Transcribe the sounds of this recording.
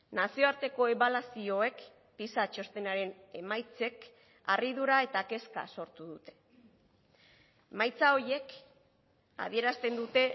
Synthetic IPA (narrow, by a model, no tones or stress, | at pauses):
nasio̞aɾt̪e̞ko̞e̞βalasio̞e̞k | pisat͡ʃo̞st̪e̞naɾe̞ne̞̰majt͡se̞k | a̰riðuɾae̞t̪ake̞ska̰so̞ɾt̪uðut̪e̞̥ | majt͡sao̞je̞k | a̰ðie̞ɾast̪e̞nd̪ut̪e̞